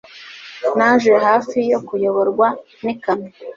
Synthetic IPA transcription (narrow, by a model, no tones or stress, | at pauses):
naʒeɦaːfijokujo̞βo̞ɾɡwa | nikami